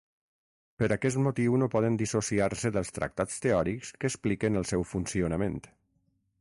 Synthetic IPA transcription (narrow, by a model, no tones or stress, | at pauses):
pəɾakɛst̪mut̪iwnopɔð̞ənd̪isosiaɾsəðəlˠst̪ɾə̰k̚t̪at͡st̪eɔɾikskəːsplikənəlˠsɛwfunsionəment̪